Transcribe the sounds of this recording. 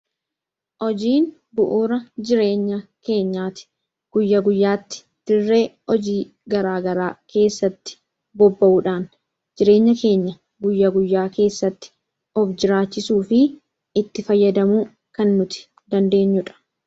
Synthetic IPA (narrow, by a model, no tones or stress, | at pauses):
ʔɔd͡ʒiːn | bʊʔuːɾɐd͡ʒɪɾe̞ːɲːɐke̞ːɲːaːt̪ɪ̥ | ɡ̥ʊjːɐɡʊjːaːt̪ːɪ̥ | d̪̥ɪrːe̞ː | ɔd͡ʒiː | ɡɐɾaːɡɐɾaːke̞ːsːɐt̪ːɪ̥ | bɔbːɐʔuːᶑaːn | d͡ʒɪɾe̞ːɲːɐke̞ːɲːɐ | ɡʊjːɐɡʊjːaːke̞ːsːɐt̪ːɪ̥ | ɔfd͡ʒɪɾaːt͡ʃːɪsuːfɪ | ɪt̪ːɪfɐjːɐd̪ɐmuː | kɐnːʊt̪ɪ̥ | d̪ɐnd̪e̞ːɲːʊᶑɐ̥